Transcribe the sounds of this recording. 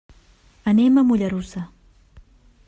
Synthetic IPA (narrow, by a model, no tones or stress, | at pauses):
anemamʊʎaɾʊsa